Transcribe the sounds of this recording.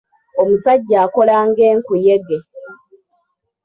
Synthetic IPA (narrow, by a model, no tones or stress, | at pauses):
o̞musaɟːaːko̞laːŋɡe̞ːŋkujeɡe